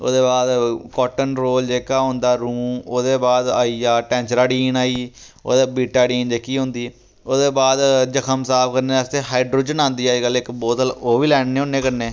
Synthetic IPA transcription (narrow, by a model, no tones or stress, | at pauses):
o̰ːd̪eːbaːd̪kɔːʈənɾoːld͡ʒeːkaːɦõːnd̪aːɾuːmoːd̪eːbaːd̪aːiːaːʈɛ̃ːnt͡ʃɾaːɖiːnaːiː | oːd̪aːbiːʈaːɖiːnd͡ʒeːkiːɦʊ̃ːnd̪iː | oːd̪eːbaːd̪d͡ʒəkʰəmsaːpkəɾneːəst̪eːɦaːiɖɾoːd͡ʒənãːnd̪iːaːd͡ʒkəlːɪkboːt̪əloːʋiːlɛːɳneːõnːeːkəɾneː